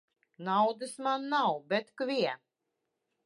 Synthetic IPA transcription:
nawd̪ɨsmanːawbɛt̪kvʲiɛ

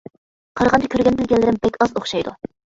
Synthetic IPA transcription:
qʰɑɾʁɑnd̪ɑkʲʰøɾɡʲɛnbɪlɡʲɛnlːɪɾɪmbɛkʲɑzoχʃɑjd̪u

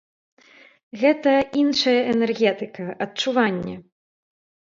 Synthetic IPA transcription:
ɣɛt̪ɐinʂɐjɐʔɛnɛrɣʲɛt̪ɨkɐʔɐtt͡ʂuvanʲːɛ

